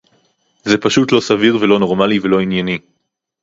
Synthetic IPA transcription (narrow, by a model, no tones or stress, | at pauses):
ze̞paʃutlo̞saviʁvelo̞no̞ʁmalivelo̞injani